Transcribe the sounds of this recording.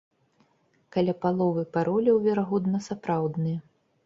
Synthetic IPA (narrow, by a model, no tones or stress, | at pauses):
kalʲapalˠɔvɨpaɾʔɔlʲɐwvʲɛɾaɣɔd̪nɐsapɾawd̪nɨjɐ